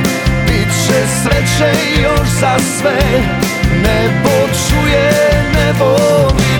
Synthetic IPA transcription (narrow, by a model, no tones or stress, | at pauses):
itʂɛslɛtʂɛ | jɔ̃ʐzaswɛ | nɛbɔt͡ʂujɛnɛvɔvʲi